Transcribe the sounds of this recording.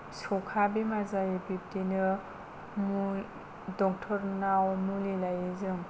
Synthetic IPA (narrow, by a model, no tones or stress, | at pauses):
sɔkʰabimazajɯbip̚tinɯ | mu | dɔk̚tʰɔɾnawmulelajezɯŋ